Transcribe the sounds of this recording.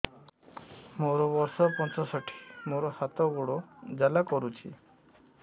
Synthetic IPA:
moɾɔbɔɾsɔpɔnt͡ʃɔsɔʈʰi̥moɾɔhat̪ɔɡuɽod͡ʒalakɔɾut͡ʃʰḭ

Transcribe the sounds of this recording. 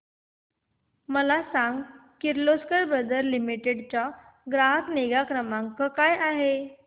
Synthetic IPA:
məlasaŋɡkiɾloskəɾbɾəd̪əɾlimiʈeɽt͡ɕa | ɡɾaɦəkneɡakɾəmaŋkəkajaɦe

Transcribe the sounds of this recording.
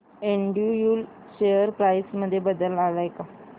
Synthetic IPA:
eɳɖiujuːl | ɕejəɾkɾajsməd̪ʱːjebəd̪əlaɡajka

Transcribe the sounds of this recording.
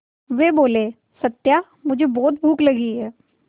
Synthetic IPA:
ʋeːboːleː | sət̪ːja | mʊd͡ʒʱebɔːt̪̚bʱuːklɐɡiɦɛː

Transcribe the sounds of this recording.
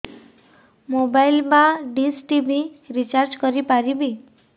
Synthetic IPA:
mobailmãɖisʈibiɾit͡ʃaɾd͡ʒkʌɾipaɾibi

